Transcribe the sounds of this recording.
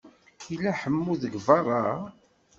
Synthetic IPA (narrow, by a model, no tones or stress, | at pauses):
ilæħəmːuðəɡvɑrˤːɑ